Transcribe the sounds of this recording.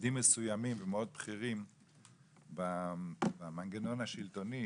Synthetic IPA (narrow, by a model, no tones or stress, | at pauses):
dimːesujamimvemeo̞d̪̚bχiʁim | babamaŋɡeno̞naʃilt̪o̞ni